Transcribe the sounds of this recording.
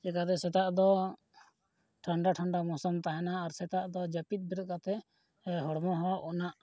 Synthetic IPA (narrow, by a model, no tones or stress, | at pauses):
d͡ʒɛkat̪̬ɛsɛt̪aʔd̪ɔ | ʈʰaɳɖaʈʰaɳɖamɔsɔmt̪aɦɛnaːɾsɛt̪aʔd̪ɔd͡ʒəpit̪̚ˀbiɾkat̪ɛ | ɦɔɽmɔɦɔʔɔnaʔ